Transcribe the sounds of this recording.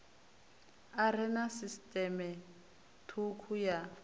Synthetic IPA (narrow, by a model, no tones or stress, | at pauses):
arɪnasistʼɛmɛ | tʰukʰuja